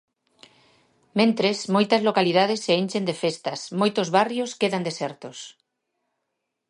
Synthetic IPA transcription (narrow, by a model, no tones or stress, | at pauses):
mẽnt̪ɾesmojt̪ɐzlokaliðað̞esːeinʲt͡ʃend̪efest̪asmojt̪ozβarjoskeðand̪esɛɾt̪os